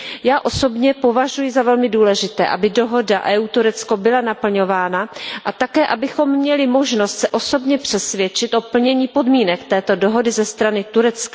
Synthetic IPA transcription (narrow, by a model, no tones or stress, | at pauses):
jaːʔo̞so̞bɲɛpo̞vaʒujɪzavɛlmɪduːlɛʒɪt̪ɛ̰ːʔa̰bɪdo̞ɦo̞daʔɛːuːt̪uɾɛt͡sko̞bɪlanapl̩ɲo̞vaːnaʔat̪akɛːʔabɪxo̞mːɲɛlɪmo̞ʒno̞st̪sɛʔo̞so̞bɲɛpr̥ɛsvjɛt͡ʃɪt̪ʔo̞pl̩ɲɛɲiːpo̞dmiːnɛkt̪ɛːt̪o̞do̞ɦo̞dɪzɛst̪ɾanɪt̪uɾɛt͡ska